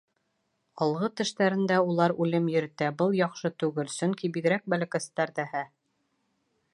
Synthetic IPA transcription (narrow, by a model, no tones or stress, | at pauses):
ɑlˠʁɤt̪ɘ̆ʃt̪æɾɘ̆nd̪æulˠɑɾʉlɘmjɘ̆ɾɘ̆t̪æbɤlˠjɒχʃɤt̪ʉɡɘlsɵŋkibiɡɾæk̚bælækæst̪æɾðæhæ